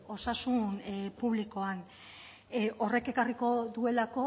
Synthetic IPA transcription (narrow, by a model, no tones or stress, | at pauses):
o̞sasunpuβliko̞an | ʔo̞re̞ke̞kariko̞ðue̞lako̞